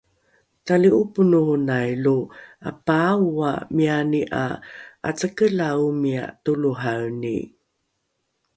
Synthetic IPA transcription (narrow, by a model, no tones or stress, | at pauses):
taliupunuhunajlua̰pawamianiʔa̰ʔa̰t͡səkəlaumia̰tuluɦawnḭ